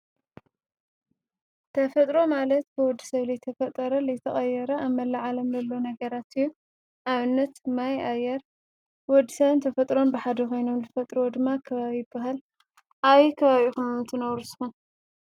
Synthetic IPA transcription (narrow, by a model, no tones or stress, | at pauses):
t̪ʰɐfɐt̪ʼɾo̞malɐt̪̚bɨwɔd̪ːi̥sɐβlijt̪ʰɐfɐt̪ʼɐɾɐlɐjt̪ʰɐχʼɐjɛɾɐaβmːɐlaʕalɐmzɐlːonɐɡɐɾat̪ɨjːu | ʔaβɨnːɐt̪majajːɛɾ | wɔd̪ːisɐβɨnt̪ʰɐfɐt̪ʼɾo̞nbɨħad̪ɐkʰo̞jno̞mzɨfɐt̪ʼɾwod̪ɨmːakʰɐβaβijɪbːaɦal | ʔaβikʰɐβaβixumɨnt̪ʰɨnɐβɾuzɨ̥xun